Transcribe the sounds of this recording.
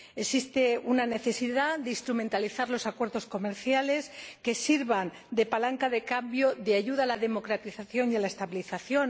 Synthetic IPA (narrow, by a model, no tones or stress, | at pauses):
e̞sist̪eunane̞θe̞siðad̪eist̪ɾume̞nt̪aliθaɾlo̞sakwe̞ɾðo̞sko̞me̞ɾθjale̞ske̞siɾβan | d̪e̞palaŋkaðe̞kambjo̞ðeaʝuðaːlaðe̞mo̞kɾat̪iθaθjo̞nialaest̪aβiliθaθjo̞n